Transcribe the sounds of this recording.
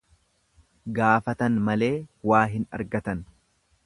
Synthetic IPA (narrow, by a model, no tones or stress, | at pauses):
ɡaːfɐt̪ɐnmɐle̞ːwaːɦɪnɐ̰ɾɡɐt̪ɐn